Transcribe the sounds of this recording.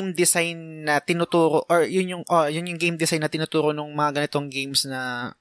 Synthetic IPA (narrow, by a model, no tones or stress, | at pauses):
md̪ɪsajnːɐt̪ɪnʊt̪uːɾoʔoɹjʊnjʊŋʔojʊnjʊŋɡejmd̪ɪsajnːɐt̪ɪnʊt̪uːɾo̞nʊŋmɐŋaɡɐnɪt̪o̞ŋɡejmsnɐ